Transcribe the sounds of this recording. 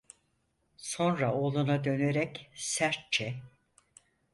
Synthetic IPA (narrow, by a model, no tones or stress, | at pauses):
so̞nɾaoːlˠunad̪ø̞neɾɛcsæɾt̪̚t͡ʃʰɛ